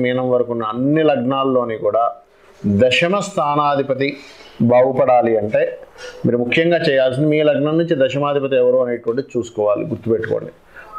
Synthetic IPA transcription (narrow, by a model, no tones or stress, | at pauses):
miːnɐmʋɐɾɐkunːɐːnːilɐɡɳaːlːo̞ːnikuːɽaː | d̪ɐʃɐmɐst̪ʰaːnaːd̪ʱipɐt̪̬ibʱaːɡupɐɽaːliɐɳʈe̞ːmiːɾumukʰːjɐŋɡaːt͡ʃɛːjaːls̬ind̪imiːlɐɡɳɐmnːuɲt͡ʃid̪ɐʃɐmaːd̪ʱipɐt̪̬iɛʋɐɾuːɐne̞ːʈuʋɐɳʈid̪it͡ʃuːsu̥kɔːʋaːlḭɡuɾt̪upeʈːuko̰ːɳɖi